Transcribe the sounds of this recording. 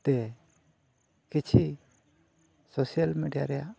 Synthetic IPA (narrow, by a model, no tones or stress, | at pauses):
t̪ɛ | kit͡ʃʰi | sosijalmiɖija̰ɾɛjaʔ